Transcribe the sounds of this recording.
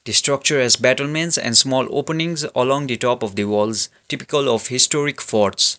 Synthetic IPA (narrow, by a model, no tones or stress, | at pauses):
d̪̥isʈɾʌk̚t͡ʃəɾɛzbæʈəlmɛ̃nʈsɛ̰̃nɖsmɔːlo̰pənĩŋzəlɔ̃ŋd̪iʈɔːpɔfd̪iwɔlz | ʈipikəlɔfhisʈɔɾikfɔɾʈs